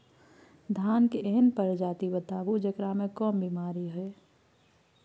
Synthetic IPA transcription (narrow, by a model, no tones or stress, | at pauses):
d̪ʱaːnkeʔeɦənpəɾd͡ʒaːt̪ibət̪aːbud͡ʒəkɾamẽkɔːmbiːmaːɾiɦʊeː